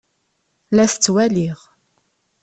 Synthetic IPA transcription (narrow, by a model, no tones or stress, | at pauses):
læθət͡sːwæliʁ